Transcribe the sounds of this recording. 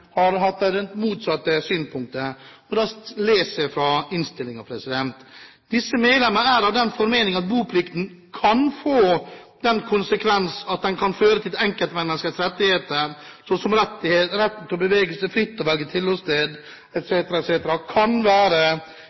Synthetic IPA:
hɑɾɦɑt̪ːæd̪ɛnmuːt̪sɑt̪ːəsyːnspʰʊŋk̚t̪ə | ɔd̪ɛst̪leːsəfɾɑɪnst̪ɪlːɪŋɑʋpʰɾɛsɪd̪ɛnt̪ | d̪ɪsːəmeːd̪lɛməɾæːɾɑʋd̪ɛnfɔɾmeːnɪŋɑt̪̚buːpʰlɪkt̪n̩kʰɑnfoːd̪̥ɛnkʰʊnsəkʰʋɛnsɑt̪̚d̪ɛnkʰɑnføːɾət̪ʰɪlɛŋkəlt̪mɛnːəskəsɾɛt̪ːɪheːt̪əɾsɔsɔmɾɛt̪ːɪhet̪ɾɛt̪ːn̩t̪ʰɪɔbəʋeːɡəlsɛflɪt̪ːɔʋɛlɡət̪ʰɪlɔst̪eːd̪ | ɛt̪seːt̪əɾɑɛt̪seːt̪əɾɑkʰɑnʋæːɾə

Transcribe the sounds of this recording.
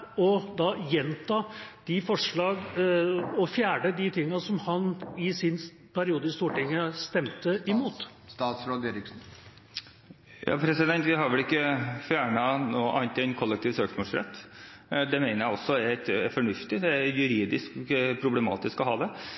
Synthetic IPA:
ɔd̪ɑjɛnt̪ʰɑːd̪̥ɪfɔʂɭɑːɡ | ɔfjæːɖəd̪ɪt̪ʰɪŋːɑsɔmhɑnɪsɪn | pʰæɾɪuːd̪əɪst̪uːʈɪŋːəst̪ɛmt̪əʔɪmuːt̪ | st̪ɑːt̪sɾoːd̪eːɾɪksn̩ | jɑ̰ːpʰɾɛsɪd̪ɛnt̪ʋɪɦɑɾʋɛlɪkːəfjæːɳɑnoːʔɑnt̪ɪɛnkʰɔlːɛk̚t̪iːʋsøːksmɔːlsɾɛ̰t̪ːd̪ɛmeɪnəɾjæɪɔsːɔɛt̪fɔɳʉft̪ɪd̪ɛæjʉɾiːd̪ɪskpʰɾʊblɛmɑ̰ːt̪ɪskɔɦɑːd̪ɛ

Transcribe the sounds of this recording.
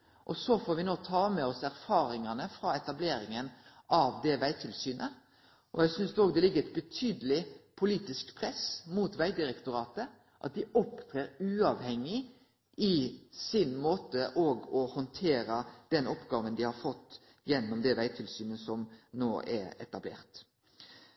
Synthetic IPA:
ʔɔsɔfoːɾʋɪnoːt̪ʰɑːmɛɔsæɾfɑːɾɪŋɑnəfɾɑɛt̪ɑbleːɾɪŋən | ʔɑʋd̪ɛʋæɪt̪ʰɪlsyːnʔə | ʔɔjæɪsʏnsd̪ɛoːɡd̪ɛlɪɡːəɾɛɪt̪̚bət̪ʰyːd̪əlɪpʰʊliːt̪ɪskpʰɾɛsmut̪ʋæɪd̪ɪɾɛkt̪ʊɾɑːt̪ə | ʔɑ̰t̪̚d̪ɪʔɔpt̪ʰɾeːɾʉːɑʋhɛŋːɪ | ɪsɪnmoːt̪əʔɔɡɔhɔnt̪ʰeːɾəd̪̥ɛnʔɔpːɡɑːʋənd̪ɪhɑɾfɔt̪ː | jɛnːɔmd̪ɛʋæɪt̪ʰɪlsyːnəsɔmno̰ːʔɛɾɛ̰t̪ɑblḛːʁt̪

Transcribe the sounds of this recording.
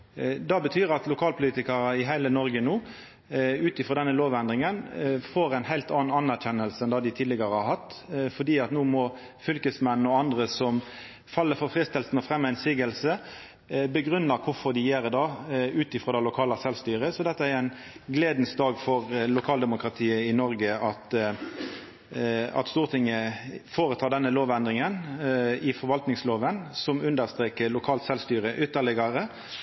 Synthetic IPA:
d̪ɑbət̪ʰyːɾɑt̪lʊkʰɑːlpʰʊliːt̪ɪkɑɾəɪɦæɪlənɔɾɡənuː | ʉːt̪ɪfɾɔd̪ɛnːəloːʋɛnd̪ʁɪŋənfoːɾæɪnhæɪlt̪ɑːnɑnæʁçɛnːəlsənd̪ɑːd̪ɪt̪ʰiːd̪lɛɡɑɾəhɑɾhɑt̪ːfɔd̪iːɑt̪nuːmɔ | fʏlkəsmɛnn̩ɔɑnd̪ɾəsɔm | fɑlːəfɔɾfʁɪst̪ɛlsnɔfʁɛmːæɪnsiːɡəlsə | bəɡɾʉnːəkʰʊɾfɔʁd̪ɪjeːɾd̪ɑːʉːt̪ɪfɾɔd̪ɛlʊkʰɑːlɑsɛlst̪yːʁəsɔd̪ɛt̪ːəæɾæɪn | ɡleːd̪n̩sd̪ɑːɡfɔʁlʊkʰɑːld̪ɛmʊkɾɑt̪ʰiːəɪnɔɾɡəɑt̪ | ɑ̰t̪st̪uːʁt̪ʰɪŋəfoːʁət̪ʰɑːd̪ɛnːəloːʋɛnd̪ʁɪŋənɪfɔɾʋɑlt̪nɪŋsloːʋənsɔmʉnd̪əʁst̪ʁeːkəlʊkʰɑːlt̪sɛlst̪yːɾəʔʏt̪ːəʁlɪɡɑʁə

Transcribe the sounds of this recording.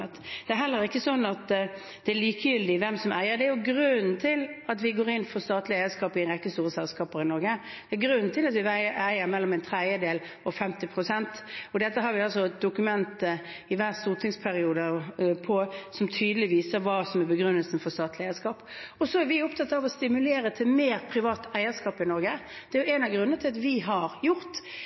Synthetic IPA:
t̪d̪̥ɛæɾɦɛlːəɾɪkːəsɔnːɑt̪ | d̪̥ɛæɾliːkəjʏld̪ɪʋɛmsɔmʔæ̰ɪəɾd̪ɛæjʊɡɾʉnn̩t̪ʰɪlɑt̪ʋɪɡoːɾɪnːfɔst̪ɑːt̪lɪæɪəskɑːpɪnʁɛkːəst̪uːɾəsɛlskɑːpəɾɪnɔɾɡə | d̪̥ɛæɡɾʉnːnt̪ʰɪlɑt̪ʋɪæɪæɪəɾmɛlːɔmɛɪnt̪ʰɾɛd̪jəd̪eːl | ɔfɛmt̪ɪpʰɾʊsɛnt̪ɔd̪ɛt̪ːəɦɑɾʋɪɑlsɔt̚d̪ʊkʉmɛnt̪ə | ɪʋæːʁst̪uːɾt̪ʰɪŋspʰæɾɪuːd̪əpʰɔsɔmt̪ʰyːd̪əlɪʋiːsəɾʋɑːsɔmæbəɡɾʉnːəlsən̩fɔɾst̪ɑːt̪lɪæɪəskɑːpɔsɔæɾʋɪʊp̚t̪ʰɑt̪ːɑʋɔst̪ɪmʉleːɾət̪ʰɪlmeːɾpʰɾɪʋɑːt̪æɪəskɑːpɪnɔɾɡəd̪̥ɛæjʊɛnɑʋɡɾʉnənət̪ʰɪlɑt̪ʋɪɦɑɾjʊɾt̪

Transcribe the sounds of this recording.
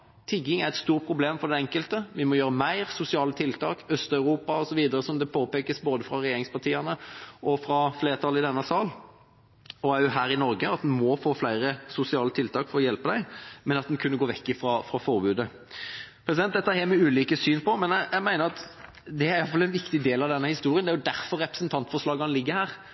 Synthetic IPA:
t̪ʰɪɡɪŋæɾɛt̪st̪uːɾ̚pʰɾʊbleːmfɔd̪ɛɛŋkəlt̪əʋɪmɔjøːɾəmæɪɾsʊsɪɑːlət̪ʰɪlt̪ʰɑːkœst̪ɑʉɾuːpɑɔsɔʋiːd̪əɾəsɔmd̪ɛpʰoːpeːkəsboːd̪əfɾɑɾɛjeːɾɪŋspɑʈ̪ʰiːɑnəɔfɾɑfleːɾt̪ʰɑlɪd̪ɛnːəsɑːl | ɔæɾjʊɦæːɾɪnɔɾɡəɑt̪d̪ɛnmɔfoːflæɪɾəsʊsɪɑːlət̪ʰɪlt̪ʰɑːkfɔɾɔjɛlpəd̪æɪmɛnɑt̪d̪ɛnkʰʉnːəɡoːʋɛkːɪfɾɑfɾɑfɔʁbʉːd̪ə | pʰɾɛsɪɛnt̪d̪ɛt̪ːəæhɛːmɛʉːliːkəsyːnpɔmɛnææɪmæɪnəɾɑt̪ | d̪ɛæɾɪjɑlfɑlːɛnʋɪkt̪ɪd̪eːlɑʋd̪ɛnːəhɪst̪uːɾɪənd̪æɾjʊd̪æɾfɔɾːɛpɾə̥snt̪ʰɑnt̪fɔʂlɑːɡɑɑnəlɪɡːəhæːɾ

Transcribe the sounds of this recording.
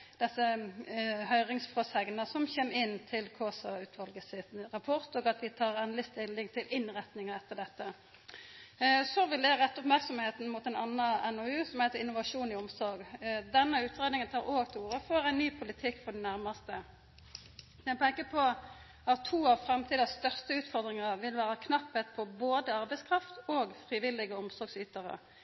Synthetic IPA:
d̪̥ɛsːə | hœʏʁɪŋsfʁɔshɛɡnəsɔmçeːmɪnːt̪ʰɪlkʰoːsɑʉːt̪ʰʋɑlɡəsɪt̪ʁɑpʰɔʁt̪oːɡɑt̪ʋɪt̪ʰɑːʁɛnlɪst̪ɪlːɪŋt̪ʰɪlʔɪnʁɛt̪nɪŋəɛt̪ːəɖ̪ɛt̪ːə | sɔʋɪld̪æʁɛt̪ːʊpmæʁksɔmheːt̪n̩mut̪ænɑnɑɛnɔʉːsɔmhæɪt̪əɾɪnʊʋɑʂuːnɪɔmsɔɾɡd̪ɛnːəʉːt̪ʁeːd̪nɪŋənt̪ʰɑːɾoːɡt̪ʰɛuːɾəfɔɾæɪnnyːpʰʊlɪt̪ʰɪkːfɔɖɛnæʁmɑst̪ə | jæpʰɛŋkəpʰɔ | ɑt̪ʰːuːɑʋfɾɛmt̪ʰiːd̪ɑst̪œʁst̪əʉːt̪fɔʁd̪ʁɪŋəʁʋɪlʋæːɾɑkʰnɑpːhət̪pʰɔboːd̪əɑʁbæɪskʰʁɑft̪oːɡfɾiːʋɪlːɪɡəɔmsɔɾɡsyːt̪əʁə̰

